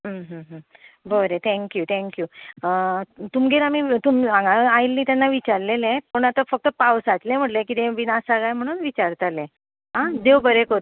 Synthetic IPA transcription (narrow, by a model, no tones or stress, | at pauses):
ɦəɦəɦəbəɾẽt̪ʰɛ̃ŋkjuːt̪ʰɛ̃ŋkjuət̪umɡeɾamit̪umiãŋɡaajilːiːt̪ɛnːaʋit͡ɕaɾlelẽpəɳat̪afək̚t̪əpawsat͡slẽm̤əʈlẽkit̪ẽʋinasaɡajm̤əɽ̃uːnʋit͡ɕaɾt̪alẽ | ɦãd̪eʋbəɾekəɾun